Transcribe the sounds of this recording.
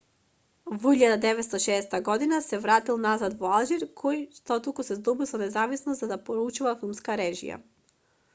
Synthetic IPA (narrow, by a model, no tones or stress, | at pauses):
vɔiʎad̪ad̪ɛvɛt̪st̪ɔʃɛːst̪aɡɔd̪inasɛvɾat̪ilˠnazad̪vɔalˠʒiɾkʰɔjʃt̪ɔt̪ukusɛzd̪ɔbilˠsɔnɛzavisnɔszad̪apɔɾut͡ʃuvafilˠmskaɾɛʒḭja̰